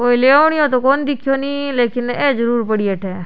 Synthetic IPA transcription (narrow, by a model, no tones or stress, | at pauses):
koːileʋɳ̃iot̪̬okoːnd̪ɪkʰjonĩleːkɪned͡ʒəɾuːɾpəɽieʈʰeː